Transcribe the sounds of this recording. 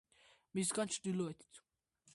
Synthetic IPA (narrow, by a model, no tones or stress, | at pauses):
mis̬ɡant͡ʃʰd̪ilɔɛt̪ʰi̥t̪ʰ